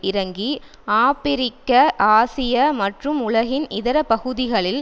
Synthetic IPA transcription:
ɪɾɐŋɡi | aːpɪɾɪkːɐʔaːsɪjɐmɐʈrɯmʊɭɐɣɪnɪðɐɾɐpɐɣɯðɪɣɐɭɪl

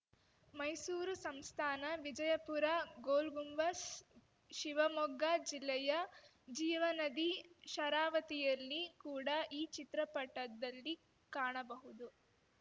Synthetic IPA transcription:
mɐjsuːɾusɐmst̪ʰaːnɐʋid͡ʒɐjɐpuɾaɡoːlɡumʋɐs | ʃiʋɐmɔɡad͡ʒilːɛjɐ | d͡ʒiːʋɐnɐd̪iʃɐɾaːʋɐt̪ijɐlːikuːɽɐʔiːt͡ʃit̪ɾɐpɐʈːɐd̪ɐlːi | kaːɳɐbɐɦud̪u

